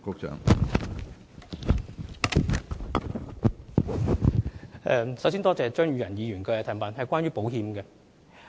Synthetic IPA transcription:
kʊ˨˧k̚t͡ʃœ̰ː˨˥ŋ | ɛ˧sɐ˨˥ws̬iː˥nt̪ɔː˥t͡sɛː˨t͡ʃœː˥ŋjyː˨˥ɐ˨˩njiː˨˧ɥyː˨˩nkɔ˧jɐ˧t̪ʰːnpaː˨nhɐ˨jkʷaː˥njyː˥po˨˥whiː˨˧mɡɛ˧

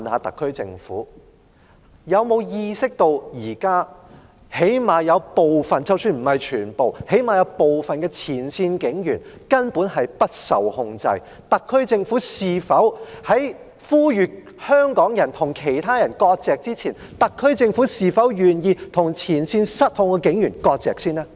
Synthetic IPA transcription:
nha̰ː˨˧t̪ɐ̰˨kʰːɵ˥ɥt͡sɪ̰˧ŋfṵː˨˥ | jɐ˨˧wmo˨˧wjiː˧sɪ˥k̚t̪o˧wjiː˨˩kaː˥ | he˨˥jmaː˨jɐ˨˧wpo˨wfɐ˨nt͡sɐ˨˧wsyː˧nm̩˨˩hɐ˨jt͡ʃʰyː˨˩npo˨whe˨˥jmaː˨˩jɐ˨˧wpo˨wfɐ˨nkɛː˧t͡sʰiː˨˩nsiː˧nkɪ˨˥ŋjyː˨˩nkɐ˥npuː˨˥nɦɐ˨jpɐ˥t̚sɐ̰˨˩whʊ˧ŋt͡sɐ̰˧j | t̪ɐ˨kʰːɵ˥ɥt͡sɪ˧ŋfuː˨˥siː˨˩fɐ˨˥whɐ˨˥j | fuː˥jyː˨˧t̚ | hœː˥ŋkɔː˨˥ŋjɐ˨˩nt̪ʰʊ˨˩ŋkʰe˨˩jt̪ʰaː˥jɐ˨˩nkɔː˧k̚t͡sɛː˨k̚t͡siː˥t͡sʰiː˨˩n | t̪ɐ˨kʰːɵ˥ɥt͡sɪ˧ŋfuː˨˥siː˨fɐ˨˥wjyː˨njiː˧t̪ʰʊ˨˩ŋt͡sʰiː˨˩nsiː˧nsɐ˥t̚hʊ˧ŋkɛ˧kɪ˨˥ŋjyː˨˩nkɔː˧k̚t͡sɛ̰ː˨k̚siː˥nɛː˥

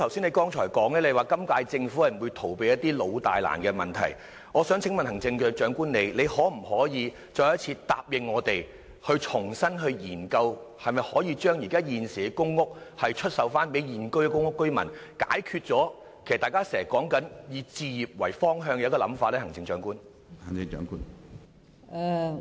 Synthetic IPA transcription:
t̪ʰwsiː˥ne˧jkɔː˥ŋt͡ʃʰɔː˨˩jkɔː˨˥ŋlɛː˥le˧jwaː˨˩kɐ˥mkaː˧jt͡sɪ˧ŋfu˨˥hɐ˨˩m̩˨˩wuː˨˧jt̪ʰo˨˩wpe˨˧jɐ˥t̪̚iː˥lo˨˧wt̪a̰ː˨jla̰ː˨˩nkɛː˧mɐ̰˨˩nt̪ʰɐ˨˩j | ŋɔː˨˧sœː˨˥ŋt͡sʰɪ˨˥ŋmɐ˨nhɐ˨˩ŋt͡sɪ˧ŋkɛ˧t͡ʃœː˨˥ŋkuː˥nne˨˧jle˨˧jhɔː˨˥m̩˨˩ɦɔː˨˥jiː˨˧ | t͡ʃɔː˧jɐ˥t̚t͡sʰiː˧t̪a̰ː˧˨p̚jɪ˨˧ŋːɔː˨˧t̪e˨j | hɵ˧ɥt͡ʃʰʊ˨˩ŋsɐ˥nɦɵ˧ɥjiː˨˩nkɐ˧whɐ˨jmɐ˨jhɔː˨˥jiː˧t͡ʃœː˥ŋjiː˨˩kaː˥jiː˨nsiː˨ɛ˧kʊ˥ŋːʊ˥k̚hɐ˨jt͡ʃʰɵ˥t̚sɐ˨˧wfaː˥npe˨˥jjiː˨nkɵ˥ɥkɛ˨˧kʊ˥ŋʊ˥kːɵ˥ɥmɐ̰˨˩nka̰ː˨˥jkʰyː˧t̚t͡sɔː˨˥ | kʰe˨˩st̪aː˨jkaː˥sɛː˨˩kɔː˨˥ŋkɐ˨˥njiː˨˧t͡siː˧ji˨p̚wɐ˨˩jfɔː˥ŋɦœː˧ŋjɛ˧˦˥kɔː˧lɐ˨˥mfaː˧t̚lɛː˥hɐ˨˩ŋt͡sɪ˧ŋt͡ʃœː˨˧˥ŋkuː˥n | hɐ˨˩ŋɪ˧ŋt͡ʃœ̰ː˧˥ŋkuː˥n | ɛ˧

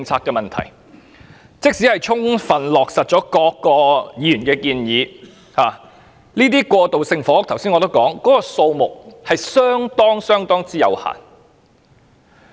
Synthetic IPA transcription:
ŋt͡sʰaː˧kːɛː˧mɐ˨nt̪ʰɐ̰˨˩j | t͡sɪ˥k̚si˨˥hɐ˨jt͡ʃʰʊ˥ŋfɐ˨˩nlɔː˨˩k̚sɐ˨t̚t͡ʃɔː˨˥kɔː˧kːɔː˧jiː˨i˥yː˨˩nkɛː˧kiː˧njiː˨˧ | haː˨ | liː˥t̪iː˥kwɔː˧t̪o˨wsɪ˧ŋfɔː˨˥t̪ʰɐ˨˩wsi˥nɔ˨˧t̪o˥wkɔː˨˥ŋkɔː˨˥kɔː˧so˧wmʊ˨k̚hɐ˨jsœː˥ŋt̪ɔː˥ŋsœː˥ŋt̪ɔː˥ŋt͡siː˥jɐ̰˨˧wha̰ː˨˩n

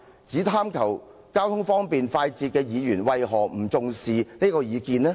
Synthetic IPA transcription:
t͡siː˨˥t̪ʰaː˥mkʰɐ˨˩wkaː˥wt̪ʰʊ˥ŋfɔː˥ŋpiː˨nfaː˧jt͡siː˧t̚kɛː˧jiː˨˧jyː˨˩nwɐ˧jɦɔː˨˩m̩˨˩t͡sʊ˨ŋsiː˨neː˥kɔː˧jiː˨˧kiː˧nlɛː˥

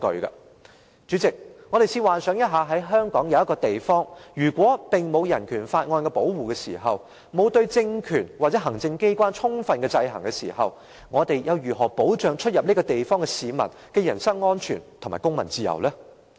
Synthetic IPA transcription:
kɵ̰˧kɐ̰˧ | t͡ʃy˨˥t͡sɪ˨k̚ŋɔː˨˧ɾe˨jsiː˧waː˨˩nsœː˨˥ŋjɐ˥t̚ɦaː˨˧ɦɐ˨˥jɦœː˥ŋkɔː˨˥ŋjɐ˧wjɐ˥kɔː˧t̪e˨jfɔː˥ŋjyː˨˩kʷɔː˨˥pɪ˨ŋmo˨˧wjɐ˨˩nkʰyː˨˩nfaː˧t̚ŋɔː˧nkɛ˧po˨˥wwuː˨kɛː˧sḭː˨˩ɦɐ˨w | mo˨˧wt̪ɵ˧ɥt͡sɪ˧ŋkʰyː˨˩nwa˨t͡sɛː˨˥ɦɐ˨˩ŋt͡sɪ˧ŋke˥jkʷaː˥nt͡ʃʰʊ˥ŋfɐ˧nkɛː˧t͡sɐ˧jɦɐ˨˩ŋkɛ˧sḭː˨˩hɐ̰˨w | ŋɔː˨˧t̪e˨jjɐ˨˧wjyː˨ɦɔː˨˩po˨˥wt͡ʃœː˨ŋt͡ʃʰɵ˥t̚jɐ˨p̚ni˥kɔː˧t̪e˨jfɔː˥ŋkɛ˧siː˨˧mɐ̰˨˩n | kɛː˧jɐ˨˩nsɐ˥ŋːɔː˥nt͡ʃʰyː˨˩nt̪ʰʊ˨˩ŋmaː˨˩kʊ˥ŋmɐ˨˩nt͡siː˧jɐ̰˨˩wlɛː˥

